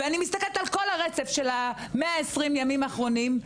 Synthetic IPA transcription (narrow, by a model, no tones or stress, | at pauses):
eanimist̪akelt̪alko̞laʁet͡sefʃela | meaesʁimjamimaχʁo̞nim